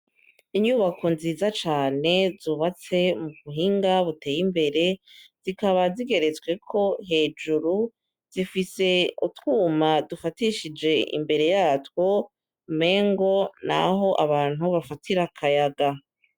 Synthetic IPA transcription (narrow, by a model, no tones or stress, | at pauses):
iɲuβakʰo̞nziːzat͡ʃaːne̞zuːβat͡se̞muβuɦiːŋɡaβute̞ːjimbe̞ɾe̞z̥ikaβaziɡe̞ɾe̞t͡swe̞kʰo̞ɦe̞ːd͡ʒuɾu | z̥ifise̞utwuːmadufatiʃid͡ʒe̞ʔḭmbe̞ɾe̞jaːtwo̞ | me̞ːŋɡo̞na̰ɦo̞ʔaβaːn̥huβafatʰiɾakʰajaɡa